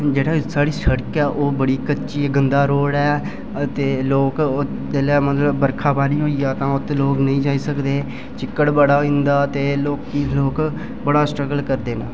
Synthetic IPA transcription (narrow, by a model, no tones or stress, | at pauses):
d͡ʒeːɽaːsaːɽiːsəɽəkɛːʔoːbəɽiːkəːʃiːɡənd̪aːɾoːɽɛː | t̪eːloːk | d̪eːlɛːmət̪ləbbəɾkʰaːbaːnĩːɦoːiːaːt̪ãːʊt̪loːknəĩːd͡ʒaːiːsəkd̪eː | t͡ʃɪkːəɽbəɽaːĩnd̪aːt̪eːloːkːiloːk | bəɽaːsʈɾəɡəlkəɾd̪eːna̰ː